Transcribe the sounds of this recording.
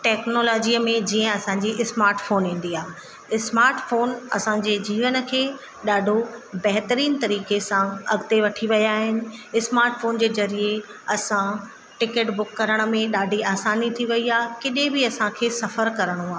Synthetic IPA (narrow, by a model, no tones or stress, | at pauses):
ʈɛːknoːlɔːd͡ʑiːəmẽd͡ʑiːə̃ɐsãɲd͡ʑiːʔɪsmaːɾʈfoːnɦĩːn̆d̪iaːɦ | ɪsmaːɾʈfoːnɐ̰sãːɲd͡ʑeːd͡ʑiːʋənə̆kʰeː | ɗaːɖʱobɐɦt̪əɾiːnt̪ɐɾiːkesãɐɡt̪eʋɐʈʰiʋɐjaːɦɪnɪ̆ɪsmaːɾʈfoːnd͡ʑeːzɐɾie | ɐsã | ʈɪkeʈbʊkːɐɾəɽ̃ə̆mẽɗaːɖʱiaːsaːnit̪ʰiʋɐiaːɦkɪɗebɪɐsãkʰeːsɐfəɾkɐɾəɽ̃oaː